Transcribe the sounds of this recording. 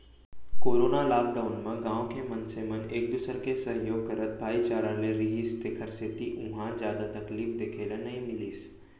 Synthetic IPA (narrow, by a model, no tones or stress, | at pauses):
koːɾoːnalaːk̚ɖaːʊnmɐ̃ɡãːõkemɐnseməneːk̚d̪usəɾkesɐɦjoːɡ̚kəɾət̪̚bʱaːit͡ʃaːɾãnẽɾɪɦist̪eːkʰəɾset̪iʔʊ̃ɦãzjaːd̪at̪ɐkliːfd̪eːkʰeːlanɐɦĩmɪliːs